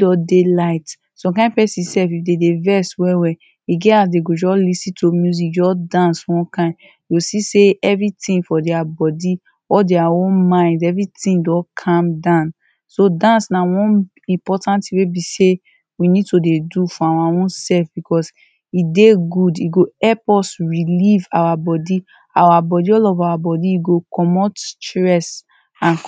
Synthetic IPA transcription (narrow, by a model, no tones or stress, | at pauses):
dɔdelaɪt | sɔ̃mkãɪ̃npɛsĩsɛfifdedevɛswɛwɛ | iɡɛas̬deɡod͡ʒɔslisĩtʰomjuzik̚d͡ʒɔsdãnswɔ̃nkãɪ̃n | osiseɛvɹitĩŋfɔdɛabɔdi | ɔldeaõnmãɪ̃ndɛvɹitĩŋdɔkʰãmdãʊ̃n | sodãnsnawɔ̃n | ĩmpɔtãntiwebise | winid̚todedufɔawaõnsɛlfbikɔs | ideɡudiɡoɛpɔsɹilivawabɔdi | awabɔdiɔlɔvawabɔdiiɡokɔmɔttɹɛs | ãn